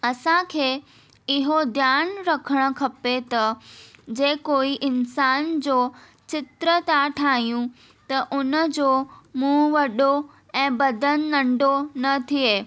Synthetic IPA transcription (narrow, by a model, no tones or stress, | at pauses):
ɐsãkʰeː | ɪɦod̪ʱjaːnɾɐkʰəɽ̃ə̆kʰɐpet̪ɐd͡ʑeːkoːiʔɪnsaːnd͡ʑoː | t͡ɕɪt̪ɾət̪aʈʰaːɦijũ | t̪ɐʔʊnəd͡ʑoːmũːʋɐɗo | ɛ̃ːbɐd̪ən̆ːɐ̃ɳɖonɐt̪ʰieː